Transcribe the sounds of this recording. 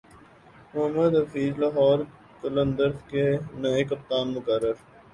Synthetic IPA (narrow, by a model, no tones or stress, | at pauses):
mʊɦəmːəd̪ɦɐfiːzlaɦɔːɾ | kɐlə̃nd̪əɾkenɐekɐp̚t̪aːnmʊkəɾːəɾ